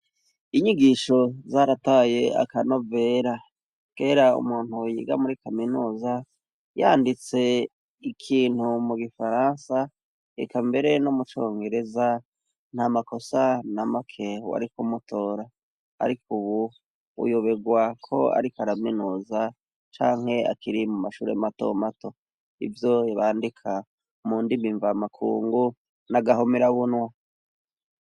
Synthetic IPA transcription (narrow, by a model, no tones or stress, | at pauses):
iɲiɡiʃo̞zaɾataːje̞a̰kano̞ve̞ːɾa | ɡ̥e̞ːɾaṵmuːn̥hujḭɡa̰muɾikaminuːza | jaːndit͡se̞ | ikʰiːn̥humuɡifaɾansa | ekambe̞ɾe̞nomut͡ʃoːŋɡe̞ɾe̞za | n̥hamako̞sanamakʰewa̰ɾikumutʰo̞ːɾa̰ː | ɾikʰuβu | ṵjoβe̞ɡwakʰo̞a̰ɾikaɾaminuza | t͡ʃaːŋ̥he̞a̰kiɾimumaʃuːɾe̞̰mato̰mato̞ | ḭvjo̞iβaːndikʰa | muːndimiɱvamakʰṵːŋɡu | naɡaɦomiɾaβunwa